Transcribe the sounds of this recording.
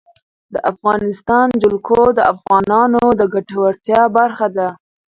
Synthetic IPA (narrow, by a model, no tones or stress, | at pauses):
d̪əʔafɣɑnɪst̪ɑnd͡ʒʊlkʰod̪əafɣɑnɑnod̪əɡaʈawaɾt̪jɑbaɾxad̪a